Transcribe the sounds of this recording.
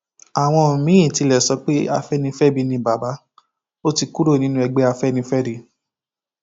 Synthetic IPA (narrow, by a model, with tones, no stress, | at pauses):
a˨w̃ɔ̃˧˨mĩ˨˦ĩ˦˨ti˧lɛ˨sɔ˧˦k͡pe˦a˧fɛ˦nĩ˧˦fɛ˦˨bi˨˧nĩ˧˦ba˨ba˨˦ | o˦ti˧ku˦ɾo˦˨nĩ˨˦nũ˦ɛ˧ɡ͡bɛ˦a˧fɛ˦nĩ˧fɛ˦ɾe˧˦